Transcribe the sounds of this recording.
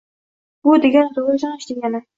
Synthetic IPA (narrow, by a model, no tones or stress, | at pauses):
b̥ʊd̪eɡʲant̪ʰoʁʃɑnɪʃd̪eɡʲanɪ